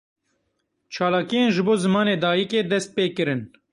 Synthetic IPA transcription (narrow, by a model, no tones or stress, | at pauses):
t͡ʃʰɑːlaːkijeːnʒɨboːzɨmɑːneːd̪ɑːjikeːd̪ɛst̪̚peːkɨɾɨn